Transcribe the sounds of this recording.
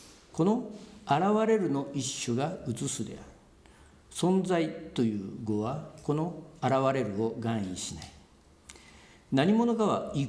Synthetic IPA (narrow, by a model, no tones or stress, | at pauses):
ko̞no̞aɾaβaɾe̞ɾɯ̟no̞ʔiɕːoɡaɯt͡sɨsɨd̪e̞̰aɾɯ̥ | sõ̞nd͡zait̪o̞jɯ̟ːɡo̞βako̞no̞aɾaβaɾe̞ɾɯ̟o̞ɡãɰ̃ḭɕinai̥ | naɲ̟imo̞no̞ɡaβa̰i